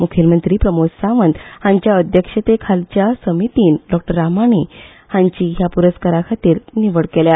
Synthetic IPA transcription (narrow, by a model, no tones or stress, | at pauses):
mukʰilmənt̪ɾiːpɾəmod͡zsãʋənd̪hãɲt͡ɕjaəd̪ʱjəkʂət̪ekʰalt͡ɕjasəmit̪iːnɖɔk̚ʈəɾːamaɳ̃iː | hãɲt͡ɕiːɦjapuɾəskaɾakʰat̪iːɾniʋəɭɽkelja